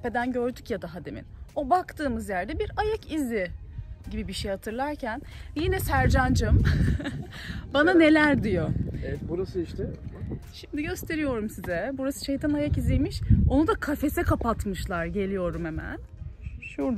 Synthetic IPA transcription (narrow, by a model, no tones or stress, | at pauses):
pe̞d̪ænɟø̞ɾd̪ycjad̪aɦad̪e̞mḭno̞bakt̪ɯːmɯzjæɾd̪ɛbiɾajakiziɪɟibibiʃejhat̪ʰɯɾlˠaɾcʰænjinɛsæɾd͡ʒand͡ʒɯm | banane̞lʲæɾd̪ijoeɛt̪buɾasɯiʃt̪ɛʃimd̪iɟø̞st̪ʰe̞ɾijo̞ɾumsizɛbuɾasɯ̥ʃejt̪ʰanajakizijmiʃo̞nud̪akʰafe̞sɛkapat̪mɯʃlˠaɾɟe̞lʲijo̞ɾumemæ̰n | ʃuɾ